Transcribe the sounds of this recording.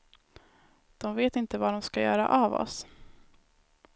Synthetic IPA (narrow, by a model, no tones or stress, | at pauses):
d̪̥ɔmveːt̪ɪnt̪əvaɖɔmskajœ̰ːɾa̰ʔavɔ̰s